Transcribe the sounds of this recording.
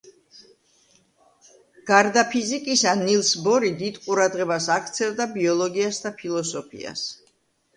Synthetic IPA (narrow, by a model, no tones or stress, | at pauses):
ɡ̥aɾd̪apʰizikʼisanilˠsbɔɾid̪id̪qʼuɾad̪ʁɛbasakʰt̪sʰɛlˠd̪abiɔlˠɔɡiasd̪apʰilˠɔsɔpʰḭa̰s